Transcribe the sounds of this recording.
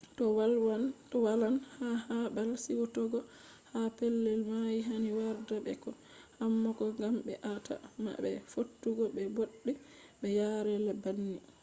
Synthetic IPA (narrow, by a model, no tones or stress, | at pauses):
tɔwalwantɔwalanhahabalsiwɔtɔɡɔ | hapɛlːɛlmajiɦaniwaɾdabɛ̰kɔ | hamːɔkɔŋɡambɛ̰ʔata̰ma̰bɛ̰fotːuɡɔbɛboɗːi | ɓɛjaɾɛlabanːi